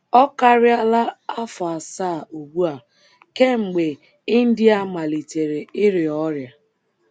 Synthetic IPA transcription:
ɔ˦ka˦ɾɪ˦a˦la˦a˦fa˨saː˦˨u˨ɡ͡bu˦a˨ | ke˦ŋ͡m̩˨ɡ͡be˨ | ɪ˦n̩˦dɪ˦a˦ma˨li˨te˨ɾe˨ɪ˦ɾɪ˨ɔ˦ɾja˨

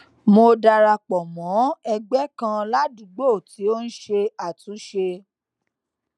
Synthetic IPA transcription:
mo˧da˧ɾa˧k͡pɔ˨mɔ̃˨˦ɛ˧ɡ͡bɛ˦kã˧la˦dũ˨˦ɡ͡bo˦˨tʰi˨˦o˦n̩˦ʃe˧a˨tũ˨˦ʃe˧

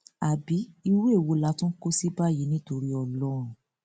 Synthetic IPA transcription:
a˨bi˨˦i˧we˦e˦˨wo˧la˧˦tũ˦ko˦si˦ba˦˨ji˨˦nĩ˦to˧ɾi˦ɔ˨lɔ˦ɾ̃ũ˨

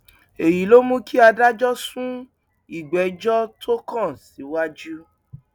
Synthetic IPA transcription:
e˨ji˨˦lo˦mũ˦ki˦a˧da˦d͡ʒɔ˦sũ˦ | i˦˨ɡ͡bɛ˨˦d͡ʒɔ˦tʰo˦kã˦˨si˨˦wa˦d͡ʒu˦

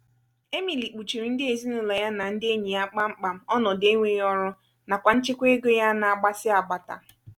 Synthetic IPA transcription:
e˦mi˨li˨k͡pu˨t͡ʃi˨ɾi˨n̩˦dɪ˦e˨zi˦nʊ˨lɔ˨ja˦na˨n̩˦dɪ˦e˦ɲi˨a˦k͡pa˦ŋ͡m̩˦k͡pa˨m̩˦ɔ˦nɔ˨de˦ŋʷe˦ɔ˦ɾʊ˦ | na˨kʷa˨n̩˦t͡ʃɪ˦kʷe˦ɡo˦ja˦na˨a˨ɡ͡ba˦sɪ˦a˨ɡ͡ba˨ta̰˨

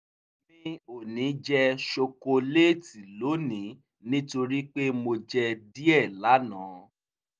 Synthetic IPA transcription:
mĩ˦o˦˨nĩ˨˦d͡ʒɛ˦ʃo˧ko˧le˦˨ti˨lo˨˦nĩ˨˦ | nĩ˦to˧ɾi˦k͡pe˦mo˧d͡ʒɛ˧di˦ɛ˦˨la˨˦nãː˨˦

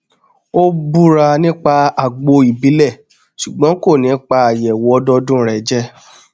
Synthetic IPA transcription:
o˦bu˦ɾa˧nĩ˦k͡pa˧a˨ɡ͡bo˧i˨bi˨˦lɛ˦˨ | ʃu˨ɡ͡bɔ̃˨˦ko˦˨nĩ˨˦k͡pa˧a˨jɛ˨wɔ˦dɔ˧dũ˦ɾɛ˨d͡ʒɛ˦

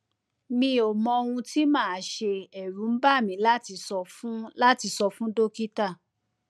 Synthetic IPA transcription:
mĩ˧o˨mɔ̃˧o˧wũ˧ti˦mãː˦˨˦ʃe˧ɛ˨ɾũ˨˦ba˦˨mĩ˨˦la˦ti˧sɔ˧fũ˦la˦ti˧sɔ˧fũ˦do˦ki˦ta˦˨

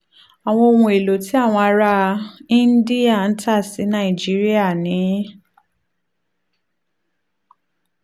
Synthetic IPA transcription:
a˨w̃ɔ̃˧o˧wũ˧˨e˨lo˨ti˨˦a˦˨w̃ɔ̃˧a˧ɾa˦ĩ˦n̩˦di˦a˦˨n̩˦ta˦˨si˨˦nã˦˨i˨d͡ʒi˦ɾi˦a˦˨nĩ˨˦

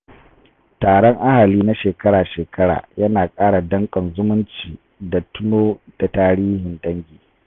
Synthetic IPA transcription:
taː˨ɽɔ˦ŋʔa˦ha˨liː˦na˦ʃeː˨kɐ˦ɽaː˨ʃeː˨kʰɐ˦ɽa̰ː˨jɐ˦naː˨kʼaː˦ɽa˨dɐ˦ŋkʼɐ˨nzʊ˦mʊ˦nt͡ʃiː˨ | da˨tʊ˦noː˦d̥a˨taː˦ɽiː˦hɪ˨nɗɐ˦ŋɡʲiː˨

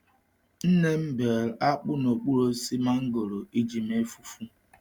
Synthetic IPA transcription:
n̩˦ne˦m̩˦be˨ɾa˦k͡pʊ˦no˨k͡pu˦ɾo˦si˦ma˦ŋ̩˦ɡo˨ɾo˨i˦d͡ʒi˨m˦e˦fu˦fu˦

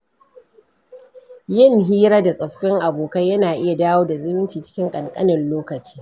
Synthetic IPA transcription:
jɪ˦ŋɦiː˦ɾaː˦da˨sʼɐ˨ɸːɪ˦ŋʔa˨boː˨kɐ˦jɐ˦naː˨ʔɪ˦ja˨daː˦woː˦da˨zɪ˦mɪ˦nt͡ʃiː˨t͡ʃɪ̥˦kʲɪ˦ŋkʼɐ˨ŋkʼɐ˦nɪ˨nloː˦kɐ˨t͡ʃi̥ː˦

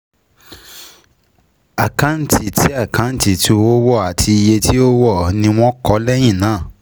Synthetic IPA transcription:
a˨kã˨˦n̩˨ti˨ti˦a˦˨kã˨˦n̩˨ti˨tu˧˦o˦wɔ˦˨a˨tʰi˧i˧je˧tʰi˦o˦wɔ˦˨nĩ˧w̃ɔ̃˦kɔ˨˦lɛ˦j̃ĩ˦˨nãː˨˦˨

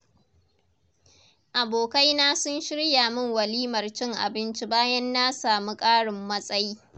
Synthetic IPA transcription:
ʔa˨boː˨ka˦jnaː˦sʊ˦nʃɪ˦ɽjaː˨mɪ˦ŋwɐ˨liː˦mɐ˨rt͡ʃɪ˦ŋʔa̰˨bɪ˦nt͡ʃi˦baː˦jɐ˦nːa˦saː˨mu˦kʼaː˦ɽɪ˨mːɐ˦sʼɐ˦jiː˦

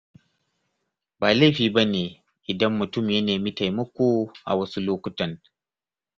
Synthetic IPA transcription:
baː˨la˦˨ɸiː˨ba˦neː˨ | ʔɪ˨dɐ˦mːʊ˨tʊ˦˨mjɐ˦neː˨miː˦ta˨jmɐ˦kʷoː˦˨ʔa̰˨wɐ˦su˦loː˦kʷʊ˦tɐ˨n

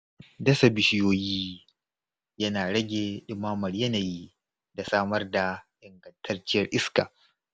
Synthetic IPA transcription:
dɐ˦sa˨bɪ˨ʃɪ˦joː˦jiː˦ | jɐ˦naː˨ɽɐ˦ɡʲeː˨ɗɪ˦maː˦mɐ˨rjɐ˦na˨jiː˦ | da˨saː˦mɐ˦rda˨ʔɪ˨ŋɡɐ˨ntʰɐ˦rt͡ʃɪ˦jɐ˦rʔɪ˦ska̰ː˨

